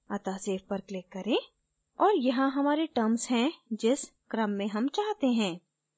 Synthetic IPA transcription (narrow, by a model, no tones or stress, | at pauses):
ɐt̪aseːfpɐɾklɪkːɐɾẽ | ɔːɾjɐɦãɦɐmaːɾeʈəɾmzɦɛ̃d͡ʒɪskɾə̃mːẽɦɐmt͡ʃaːɦt̪eɦɛ̃ː